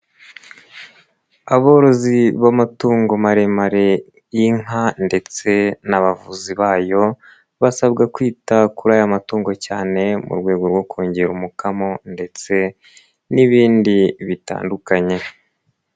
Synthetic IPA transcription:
aβo̞ːɾo̞ziβamatuːŋɡo̞maɾe̞maɾe̞ | iŋande̞t͡se̞naβavuziβaːjo̞ | βasabɡakwiːtakuɾajamatuːŋɡo̞caːne̞mṵɾɡwe̞ːɡo̞ɾɡwo̞kʰoːɲɟeɾumukamo̞nde̞t͡se̞ | niβiːndiβita̰ːndukaɲe̞

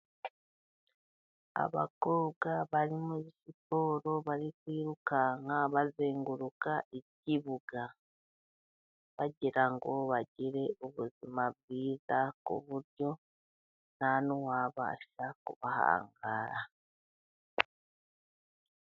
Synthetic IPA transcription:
a̰βa̰ko̞ɡaβaɾimweβisipo̞ːɾo̞βaɾikwiːɾukaŋɡaβazeːŋɡuɾukaʔeciβuɡa | βaɟiɾaŋɡo̞βaɟiɾe̞ʔoβuzimaββiːzakṵβuɾjo̞ | nanuwaːβa̰ːʃakuβaha̰ːŋɡa̰ːɾa

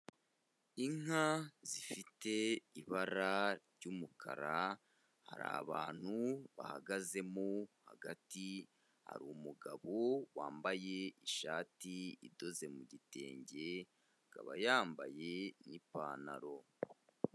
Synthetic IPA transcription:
iŋazifite̞iβaɾa | ɟumukʰa̰ɾa | ha̰ɾa̰βaːn̥huβa̰ha̰ɡaze̞mohaɡati | ha̰ɾuːmuɡaβowaːmbaje̞iʃaːtiido̞ze̞muɟite̞ːɲɟe̞ | ɡ̥a̰βajaːmbaje̞nipaːna̰ɾo̞

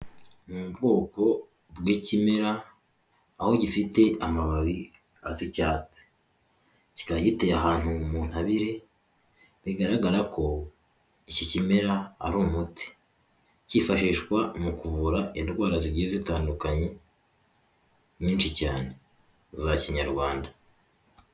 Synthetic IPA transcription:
mubɡo̞ːko̞ | bɡiːcime̞ɾaː | ho̞ɟifite̞amaβaβi | azicaːt͡si̥ | ci̥kaɟite̞jaɦaːn̥humun̥haβiɾe̞ | βiɡaɾaɡaɾako̞ | icicime̞ɾa̰ːɾumuti̥ | cifaʃiːʃkwamukuvuɾaʔindɡwaːɾaziɟizitaːndukaɲe̞ | ɲiːnʃicaːne̞ | zaciɲaɾɡwaːnda

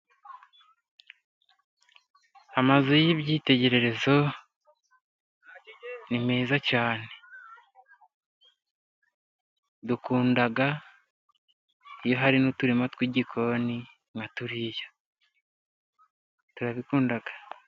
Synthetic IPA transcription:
amazujiβɟiːte̞ɟe̞ɾe̞ɾe̞zo̞ | nimiːzacaːne̞ | dukuːndaɡa | ijo̞ɦaɾinutuɾimatwiɟikʰo̞ni | ŋɡatuɾijo | tuɾaβikuːndaɡḁ

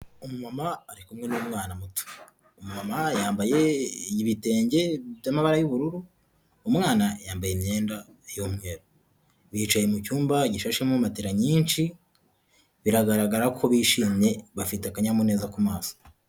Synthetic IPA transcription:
umumamaːɾikumŋe̞nuumŋaːnamutu̥ | umumamajaːmbaje̞ɟiβite̞ːɲɟe̞jamaβaɾajuβuɾuɾuː | mŋaːnajaːmbajemɲe̞ːnda | jomŋeɾo | βiːt͡ʃaje̞mucuːmbaɟiʃaʃemumateɾaɲiːnʃi | βiɾaɡaɾaɡaɾakʰoβiːʃiːmɲe̞βafiteakaɲamune̞ːzakumaːso̥

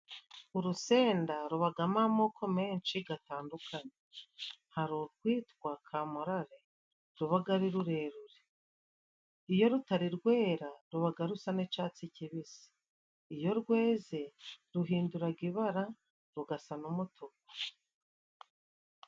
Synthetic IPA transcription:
uɾuse̞ːndaɾuβaɡamamokʰo̞meːnʃiɡataːndukʰaɲehaɾukwiːtwakʰaːmuɾaɾe | ɾuβaɡaɾiɾuɾe̞ːɾuɾe | ijo̞ɾutaɾiɾɡwe̞ːɾaɾuβaɡaɾusanet͡ʃaːt͡siciβisi̥ | ijo̞ɾɡwe̞ːze̞ɾuɦiːnduɾaɡiβaɾa | ɾuɡasanumutʰokḁ

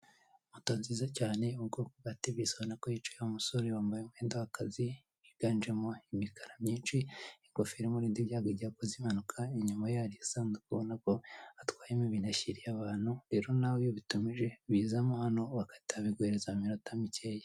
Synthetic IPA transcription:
umutoːnzizacaːne̞ubɡo̞ːkoɡatiβisoβanakojit͡ʃujaumuso̞ɾewaːmbajumweːndahakazi | iɡ̥and͡ʒemoimikʰaɾamɲiːnʃiiŋɡofiɾimuɾiːndiβjaːɡaɟiɾakozimanukʰaiɲumajaɾisaːndukuβonako̞atwaːjemoβinaçiɾijaβaːn̥huɾeɾo̞nawjoβitumiʒe̞βiːzamohano̞wakḁtiaβiɡweɾezamiɾotamiceːje

